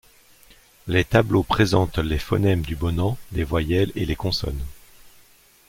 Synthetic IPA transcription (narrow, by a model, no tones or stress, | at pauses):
let̪ablopχezɑ̃t̪lefɔ̰nɛmd̪ybɔnɑ̃d̪evwajɛlḛlekɔ̃sɔ̰n